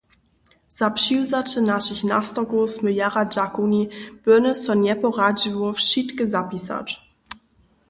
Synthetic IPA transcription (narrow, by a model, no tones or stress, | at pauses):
z̥apʃizat͡ʃənaʃɪçna̰stɐɡosməjaʁad͡ʒakunib̥øɐnəsfɔnjɛpoʁad͡ʒivofʃitɡəzapisa̰t